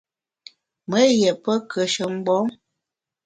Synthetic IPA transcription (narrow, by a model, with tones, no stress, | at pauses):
mə˨˦jɛ˨pə˦kʰə˨ʃə˨m̩˦ɡ͡bɔ˨˦m